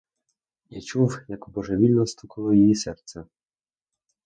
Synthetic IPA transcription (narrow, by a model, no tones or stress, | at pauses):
jat͡ʃuwjɐkbɔʒɛʋʲilʲnɔst̪ukɐlˠɔjejisɛrt̪sɛ